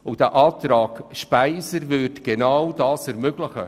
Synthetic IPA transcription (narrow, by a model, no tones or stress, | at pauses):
ʊd̥æʔɑːt̪ɾɑːɡʃpæɪsəɾvʏtɡ̥enawdɑːsɛɾmøɡ̥ləχə̰